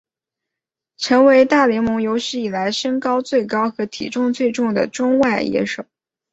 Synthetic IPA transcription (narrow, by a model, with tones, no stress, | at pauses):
ʈ͡ʂʰɤ˧˥ŋwe˧˥ɪt̪a˥˩ljɛ˧˥mʊ˧˥ŋjo˧˥ʊɕɻ̩˥˩i˨˩la˧˥ɪʂə˥ŋkɑ˥ʊt͡swe˥˩ɪkɑ˥ʊxɤ˧˥t̪ʰḭ˨˩ʈ͡ʂʊ˥˧ŋt͡swe˥˧ɪʈ͡ʂʊ˥˩ŋd̪ə̰˩ʈ͡ʂʊ˥ŋwa˥˩ɪjɛ̰˥ʂo˨˩˦